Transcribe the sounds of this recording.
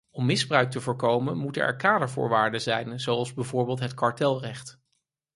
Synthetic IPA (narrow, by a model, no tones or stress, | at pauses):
ɔmːɪzbrœɥk̚təvʊːɹkowmənmutənɛ̰ɹkaːdəɹvʊ̰ːɹʋaːɹdəzɛjnzowɑlˠzbɛjvʊːɹbeːlˠtɦətkɑɹtɛlˠrɛχt